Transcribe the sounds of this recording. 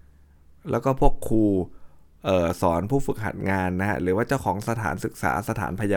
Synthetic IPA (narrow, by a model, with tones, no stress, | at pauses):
lɛ̰ː˦˥wkɔː˥˩pʰu˥˩əkʰːuː˧ʔɤː˨˩sɔː˩˦npʰuː˥˩fɯ˨˩k̚ha̰˨˩t̪̚ŋaː˧nːa˦˥kʰa̰˦˥ɾɯː˩˦waː˥˩t͡ɕa˥˩wkʰɔː˩˦ŋsa˧t̪ʰa̰ː˩˦nsɯ˨˩k̚sa̰ː˩˦sa˧t̪ʰa̰ː˩˦npʰa˧ja˧